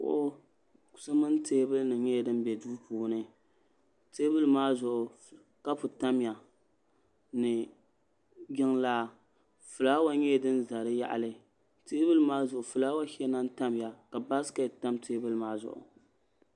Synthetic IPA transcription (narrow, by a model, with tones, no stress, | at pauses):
ʊ̰˦ʔʊ˦ | ku̥˨sɨ˦mɨ˦n˦teː˦bɨ˦lnɨ˨ɲɛ˦˨dɨ˦m˦bɛ˨duː˦puː˨nɨ˦ | teː˦bɨ˦lɨ˦maː˦zʊ˨ʔʊ˨ | ka˦pʊ˨ta˦m˦ja˨ | nɨ˨ | ɡʲɪ˦ŋlaː˦ | fɨ˨laː˦wa˦ɲɛ˦˨dɨ˦n˦za˨ɾɨ˦ja̰˦ʔa̰˨lɨ˦ | teː˦bɨ˦lɨ˦maː˦zʊ˨ʔʊ˨fɨ˨laː˦wa˦hɛ˦na˦n˦ta˦mja˨ka˨ba˦ska˦˨ta˦mteː˦bɨ˦lɨ˦maː˦zʊ̰˨ʔʊ̰˨